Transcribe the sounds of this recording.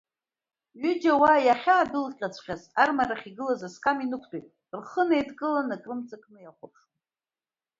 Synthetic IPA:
ɥʏd͡ʒawajaχʲaːdɨlqʲʼat͡ɕʷʰʼχʲazarmaɾaχʲiɡɨlazaskʰaminɨkʷʰtʼojtʼ | rχənejdkʼɨlanakʼrɨmt͡sʼakʼnɨjaχʷʊpʰʂwan

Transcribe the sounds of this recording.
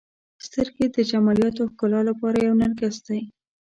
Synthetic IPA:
st̪əɾked̪əd͡ʒamɑlijɑt̪oxkʊlɑlapɑɾajawnaɾɡasd̪̥aj

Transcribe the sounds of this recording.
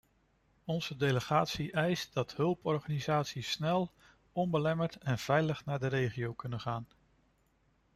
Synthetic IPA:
ɔnz̥ədejləχaːtsiʔɛjstdɑtɦɵlˠpɔɹχaːnizaːtsisːnɛlˠ | ɔmbəlɛməɹtɛnv̥ɛjləχnaːɹdəɾejχiowkɵnənχaːn

